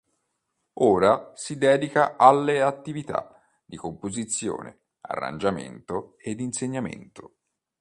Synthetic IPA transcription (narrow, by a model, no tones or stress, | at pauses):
oːɾasid̪ɛːd̪ikaʔalːeat̪ːivit̪a̰ | d̪̥ikompozit̪sːjo̰ːnḛ | a̰rːa̰nd͡ʒamḛnt̪oed̪ːinseɲːamḛnt̪o